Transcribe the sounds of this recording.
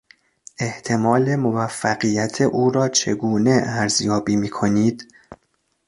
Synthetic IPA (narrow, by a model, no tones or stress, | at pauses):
ʔe̞ht̪ʰe̞mɒːle̞movæfːæɣijæt̪ʰeʔuːɾɒːt͡ʃʰe̞̰ɡuːne̞æɾzjɒːbiːmiːkʰo̞niːd̪̥